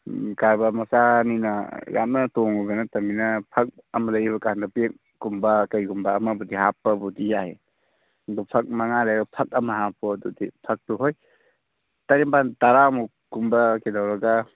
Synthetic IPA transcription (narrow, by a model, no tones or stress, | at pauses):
kaɾbɐmɐsaninɐja̰mnɐtoŋuɡɐnɐtɐminɐpʰɐk̚ɐmɐlɐjβɐkandɐpek̚ | ɡumbɐkɐjɡumbɐːmɐbudihapːɐbudijaɦḛ | dupʰɐk̚maŋalajbɐpʰɐk̚ɐmɐɦapɔdudipʰɐk̚tuɦoj | taɾempantaɾamu | ɡumbɐkedawɾɐɡa